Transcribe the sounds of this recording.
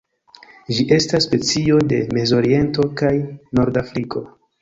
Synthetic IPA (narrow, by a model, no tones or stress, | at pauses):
ʒiʔe̞stasːpe̞t͡sio̞de̞me̞zo̞ɾie̞nto̞kajno̞ɾdafɾikʰo̞